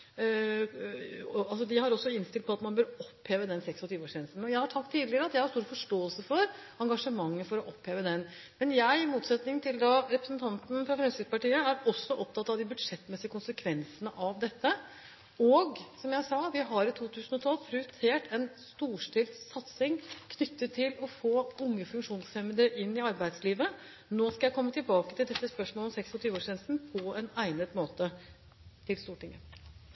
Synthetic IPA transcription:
ɑlsɔd̪ɪhɑɾɔsːɔɪnst̪ɪl̚pʰɔɑt̪mɑnbøːɾɔpːheːʋəd̪ɛnsɛksɔt̪yːʋəoːʂeːnsnɔjæɪhɑɾʈʰɑkt̪ʰːiːd̪lɪɾəɑt̪jæɪhɑɾʂst̪uːɾfɔʂʈoːəlsəfɔɾ | ɑŋɡɑʂəmɑŋːəfɔɾɔʔɔpheːʋəd̪ɛn | mɛnjæɪɪmuːt̪sɛt̪nɪŋt̪ʰɪld̪ɑɾɛpɾəsənt̪ʰɑnt̪n̩fɾɑfɾɛmsɪpɑʈiːəæɾɔsːɔʔɔp̚t̪ʰɑt̪ːɑʋd̪ɪbʉd̪ʂɛt̪ːmɛsɪəkʊnsəkʰʋɛnsənəʔɑʋd̪ɛt̪ːə | ɔɡsɔmjæɪsɑːʋɪɦɑɾɪt̪ʰuːt̪ʰʉːsn̩ɔt̪ʰɑlpʰɾʉt̪ʰeːʈʰɛnst̪uːʂʈɪːlsɑt̪sɪŋkʰnʏt̪ːət̪ʰːɪlɔfoːʊŋːəfʉŋkʂuːnsfɛməd̪ɾəʔɪnːɪɑɾbæɪd̪sliːʋə | noːskɑjæɪkʰɔmːət̪ɪlbɑːkət̪ɪld̪ɛt̪ːəspœʂmɔːlɔmsɛksɔt̪ʰyːʋəoːʂɛnsn̩pʰɔɛnæɪnət̪moːt̪ə | t̪ʰɪlst̪uːʈɪŋːə̰

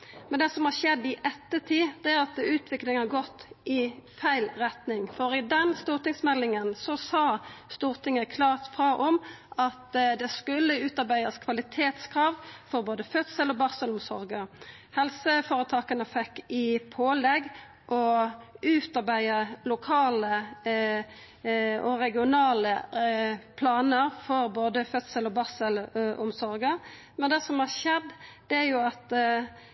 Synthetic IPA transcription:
mɛnd̪ɛsɔmhɑʁʃɛd̪ːɪʔɛt̪ːət̪ʰiːd̪ɛæʁɑt̪ʉːt̪ʰʋɪklɪŋhɑʁɡɔt̪ːɪfæɪlʁɛt̪nɪŋfɔɾɪd̪ɛnst̪uːʁt̪ɪŋsmɛlːɪŋənsɔsɑːst̪uːʁt̪ʰɪŋəkʰlɑːʁt̪fʁɑːʔɔmʔɑt̪d̪ɛskʉlːəʉːt̪ɑʁbæɪəskʰʋɑlɪt̪ʰeːt̪skʰɾɑːʋfɔɾboːd̪əfœt̪səlɔbɑʁsəlɔmsɔ̰ɾɡə | hɛlsəfɔːɾət̪ʰɑːkənəfɛkːɪpʰoːlɛɡː | ʔɔʉːt̪ɑʁbæɪəlʊkʰɑːlə | ɔɾɛɡɪʊnɑːlə | pʰlɑːnəɾfɔɾboːd̪əfœt̪səlɔbɑʁsəlʔʊmsɔɾɡə | mɛnd̪ɛsɔmhɑʁʃɛd̪ːd̪̥ɛæɾjʊɑt̪

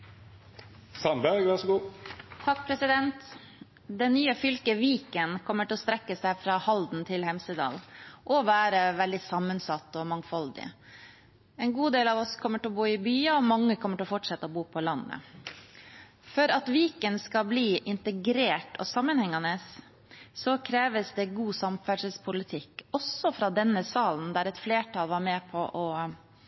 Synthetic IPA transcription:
sɑnbæɾɡʋæʂɡuːt̪ʰɑk̚pʰɾɛsɪd̪ɛnt̪ | d̪ɛnnːyːəfʏlkəʋiːkənkʰɔmːəʈʰɪlɔst̪ɾɛkːəsæɪfɾɑːhɑld̪n̩t̪ʰɪlhɛmsəd̪ɑ̰ːlʔɔʋæːɾəʋɛld̪ɪsɑmːənsɑt̪ːɔmɑŋfɑld̪ɪ̰ | ɛːnɡuːd̪eːlɑʋɔskʰɔmːəʈɪɔbuːɪbyːɑɔmɑŋːəkʰɔmːəʈɪlɔfɔʈʂɛt̪ːəɔbuːpʰɔlɑnːə̰ | fœɾɑt̪ʋiːkənskɑbliːʔɪnt̪əɡɾeːʈɔsɑmːənhɛŋːɑnəsː | ɔkʰɾeːʋəsd̪ɛɡuːsɑmfæʂəlspʰʊlɪt̪ʰɪkːɔsɔfɾɑd̪ɛnːəsɑːln̩d̪æɾɛt̪fleːʈʰɑːlʋɑɾmeːpʰɔʔɔ

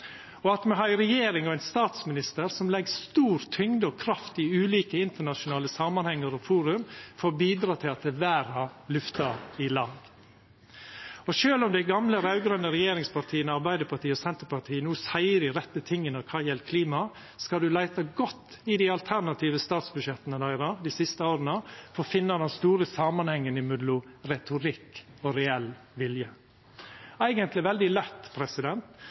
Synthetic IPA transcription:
ɔɑt̪mɛɦɑːæɾɛjeːɾɪŋɔæɪnst̪ɑːt̪smɪnɪst̪əɾsɔmlɛɡst̪uːɾt̪ʰʏŋd̪əɔkʰɾɑft̪ɪʉːliːkəɪnt̪əɳɑʃʊnɑːləsɑmɑnhɛŋːəɾɔfuːɾʉmfoːɾbiːd̪ɾɑːt̪ʰɪlɑt̪̚d̪ɛʋæːɾɑlʉft̪ɑɪlɑːɡ | ɔʃøːlɔmd̪æɪɡɑmləɾɑʉɡɾœnːəɾɛjeːɾɪŋspʰɑɾt̪ʰiːənəɑɾbæɪd̪əpʰɑʈ̪ʰiːɔsɛnt̪əɾpɑɾt̪ʰiːənuːsæɪəd̪ɪɾɛt̪ːət̪ʰɪŋːənəkʰɑːjɛlt̪kʰliːmɑ | skɑd̪ʉlæɪt̪ɑɡɔt̪ː | ɪd̪ɪɑlt̪ʰæɾnɑt̪ʰiːʋəst̪ɑːt̪sbʉʃjɛt̪ːənəd̪æɪɾɑd̪isɪst̪əoːɾənəfɔɾfɪnːɑd̪ɛnst̪uːɾəsɑːmɑnhɛŋːənɪmʉd̪lʊɾɛt̪ʰʊɾɪkːɔɾɛɛlʋɪljə | æɪɡənt̪lɪʋɛld̪ɪlɛt̪ːpʰɾɛsɪd̪ɛnt̪

